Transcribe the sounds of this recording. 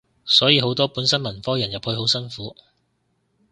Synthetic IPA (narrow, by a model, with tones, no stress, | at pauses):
sɔː˨˥jiː˨˧ɦo˨˥wt̪ɔː˥puː˨˥nsɐ˥nmɐ˨˩nfɔː˥jɐ˨˩njɐ˨p̚hɵ˧ɥho˨˥wsɐ˥nfuː˨˥